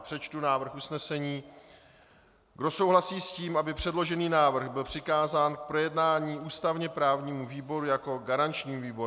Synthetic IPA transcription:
pr̝̥ɛt͡ʃt̪unaːvr̩xusnɛsɛɲiː | ɡdo̞so̞wɦlasiːsciːmʔabɪpr̝̥ɛdlo̞ʒɛniːnaːvr̩ɣbɪlpr̝̥ɪkaːzaːnk̚pɾo̞jɛdnaːɲiːʔuːst̪avɲɛpɾaːvɲiːmuviːbo̞ɾujako̞ɡaɾant͡ʃɲiːmviːboɾ

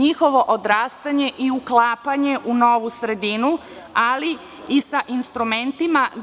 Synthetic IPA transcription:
ixo̞ʋo̞ʔod̪ɾaːst̪aɲe̞ʔiuklˠaːpaɲe̞ʔunoʋusɾe̞d̪inu | ali | isaʔinst̪ɾume̞nt̪ima

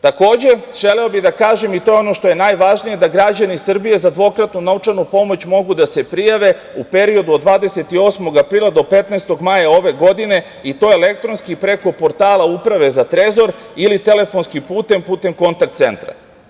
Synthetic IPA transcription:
t̪ako̞ːd͡ʑe̞ʒ̥e̞leobid̪akaːʒe̞mit̪o̞jeo̞no̞ʃt̪o̞je̞naːjʋaʒnije̞d̪aɡɾad͡ʑanisr̩bije̞zad̪ʋo̞kɾat̪nunaut͡ʃanupo̞mo̞t͡ɕmo̞ɡud̪ase̞pɾijaʋe̞upe̞ɾio̞d̪uod̪ʋaːd̪e̞se̞t̪io̞ːsmo̞ɡapɾiːlˠad̪o̞pe̞t̪naest̪o̞ɡmaːjao̞ʋe̞ɡo̞d̪ine̞ | it̪o̞jele̞k̚t̪ɾo̞nskipɾe̞ko̞po̞ɾt̪aːlˠaupɾaʋe̞zat̪ɾe̞zo̞ɾ | ilit̪e̞le̞fo̞nskipuːt̪e̞mpuːt̪e̞mko̞nt̪ak̚t̪se̞̰nt̪ɾa̰

